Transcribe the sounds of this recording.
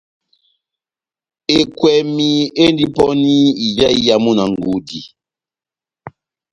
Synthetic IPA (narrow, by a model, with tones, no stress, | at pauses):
e˨kwɛ˨mi˨e˦n˦di˦pɔ˦ni˦i˨d͡ʒa˦i˦ja˨mu˦na˨ŋ˨ɡu˨˦di˨